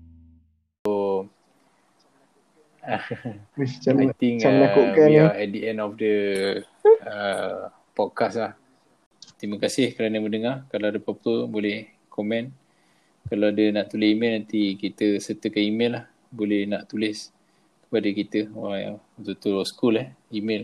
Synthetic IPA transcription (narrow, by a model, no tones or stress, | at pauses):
o | it͡ʃaat̪ɪŋamlaoʔkaɛdiɛnɔfdə | ə | pɔd̚kaslah | t̪ɾiməkasɪhkəɾanəmənəŋarkalawadəpapəbolɛh | komɛn | kalawadənaʔt̪ulɪsimelnant̪ikit̪əsərt̪əkanimɪ̃lah | bolɛhnaʔt̪ulɪs | kə̥padəkit̪əoaŋa̰ŋut̪ut̪usə̥kulɛimel